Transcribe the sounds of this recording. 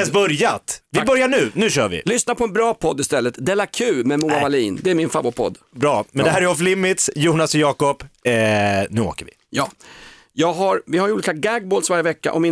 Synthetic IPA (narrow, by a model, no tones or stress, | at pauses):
sbœɾjat̪vɪbœɾjaɳʉ̟ːnʉ̟ːɕœːɾvɪ̰lʏsnapʰɔɛnbɾɑːpʰɔd̪ːɪst̪ɛlːət̪d̪ɛlːakʰʉ̟ːmɛmuːavaliːnd̪ɛæːɾmɪnfabʊpʰɔ̰d̪ːbɾɑːmɛnd̪ɛɦæːɾɛɔflɪmːɪt̪sjuːnasɔjɑːkɔpː | nʉ̟ːo̰ːkəɾvɪ̰ | jɑː | jɑːɡɦaɾvɪhaɾjuːliːkaɡaɡ̚boːlsvaɾjəvɛkːa̰ʔɔ̰mɪ